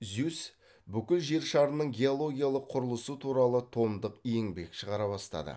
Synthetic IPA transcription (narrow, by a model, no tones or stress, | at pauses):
zʉs | bʏkʲɪlʒe̞ɾʃɑɾənəɴɡʲe̞o̞lˠo̞ɡʲijalˠəqʰːʊɾəlˠəsət̪ʰuɾɑlˠət̪ʰo̞md̪əqijeŋbe̞kʃəʁɑɾɑβɑst̪ɑ̰d̪ə̰